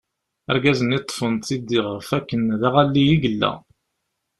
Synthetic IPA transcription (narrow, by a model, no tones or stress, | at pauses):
æ̰ɾɡæzənit̪ˤːfənt̪id̪ːiʁəfækːənðaʁalːijiɡəlːæ̰